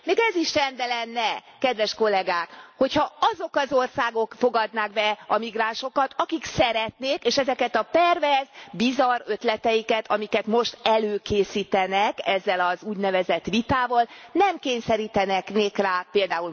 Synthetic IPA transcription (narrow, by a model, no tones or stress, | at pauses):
meːɡɛziʃrɛnd̪ɛlɛnːɛ | kɛd̪ʋɛʃko̞lɛɡaːkho̞chɒɒzo̞kɒzo̞rsaːɡokfo̞ɡɒd̪naːɡbɛɒmiɡraːnʃo̞kɒt̪ʰɒkiksɛɾɛt̪neːkeːʃɛzɛkɛt̪ɒpɛrvɛzbizɒɾø̞t̪lɛt̪ɛjikɛt̪ʰɒmikɛt̪mo̞ʃt̪ɛløːkeːsiːt̪ɛnɛkɛzːɛlɒzuːɟnɛvɛzɛt̪ʋit̪aːvɒlnɛmkeːɲsɛɾiːt̪ɛnɛkneːkraːpeːld̪aːul